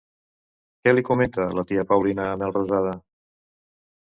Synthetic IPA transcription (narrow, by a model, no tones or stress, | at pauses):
kɛlikumẽnt̪ələt̪iəpawlinəːmɛlˠrozað̞ə